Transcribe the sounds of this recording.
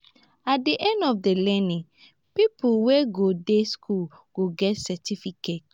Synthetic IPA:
at̚diʔɛ̃ndɔfdelɛnĩ | pipʰuweɡodeskʰul | ɡ̥oɡɛtsɛtʰifiket̚

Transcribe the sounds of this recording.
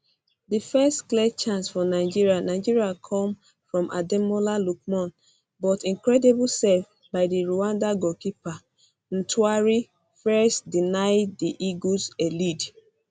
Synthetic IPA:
difɛstklɛt͡ʃãnsfɔnaɪd͡ʒiɹianaɪd͡ʒiɹiakʰɔ̃m | fɹɔ̃mʔa̰dɛmolaluk̚mɔ̃n | bɔtĩŋkɹɛdibulsɛf | baɪdiɹuãndaɡɔkipa | n̩tʰwaɹi | fɛstdinaɪd̚diʔiɡuzɛlid

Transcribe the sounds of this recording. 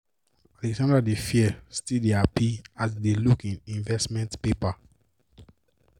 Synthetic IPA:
alɛksãndɹadefiɛstideapias̬delukĩnĩɱvɛstmɛ̃ntpepa

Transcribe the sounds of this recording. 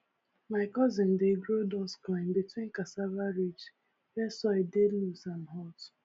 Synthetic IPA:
maɪkɔzɪ̃ndeɡɹodɔsklãɪ̃nbitwĩnkasavaɹit͡ʃ | wɛsɔededlusãnɦɔt

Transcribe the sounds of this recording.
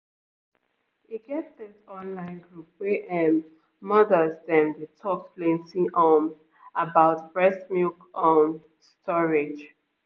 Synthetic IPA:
hiɡɛtɪsɔ̃nlãɪ̃nɡɹup̚wɛʔɛ̃n | mʌðəzdɛ̃mdetʰɔkslẽnsĩŋɔm | abaʊtb̥ɹɛsmikɔm | stʰɔɹɪd͡ʒ

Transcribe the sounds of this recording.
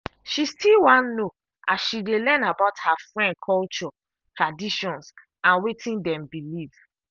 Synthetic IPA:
ʃistilwãnno | asʃidelɛ̃nabaʊthafɹɛ̃nd̚kʰɔlt͡ʃɔ | tɹadiʃɔ̃ns | ãnwetʰĩndɛ̃mbilivs

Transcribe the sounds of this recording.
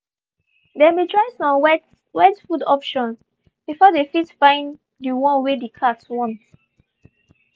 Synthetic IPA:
dɛmetɹaɪsɔ̃mɛ | wɛdfudɔpʃɔ̃n | b̥ifɔdefitfãɪ̃n | diwɔ̃nwedikʰatwɔ̃ns

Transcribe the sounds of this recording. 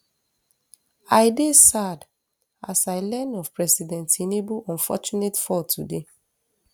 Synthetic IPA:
ajdesad | asaɪlɛ̃nɔvpɹɛsidɛ̃ntinebuɔ̃nfɔ̰t͡ʃunetfɔtʰude

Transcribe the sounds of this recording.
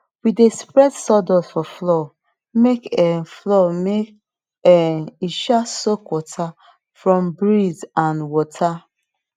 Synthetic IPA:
widespɹɛdsɔdɔzfɔflɔ | mekɛflɔmek | ɛniʃasokwɔtʰa | fɹɔ̃mbɹizãnwɔtʰa

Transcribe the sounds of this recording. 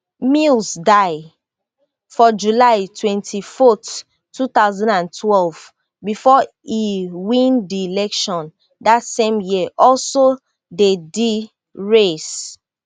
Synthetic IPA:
milsdaɪ | fɔd͡ʒulaɪtʰwɛ̃ntʰifɔtʰː | ut̪aʊzãndãntʰwɛlv̥ | bifɔ | iwĩndiilɛkʃɔ̃n | datsẽmjiəʔɔlso | dedi | ɹes

